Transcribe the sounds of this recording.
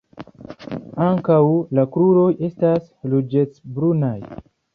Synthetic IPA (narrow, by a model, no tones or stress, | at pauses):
aŋkawlakɾuɾo̞je̞stas | lud͡ʒet͡sbɾunaj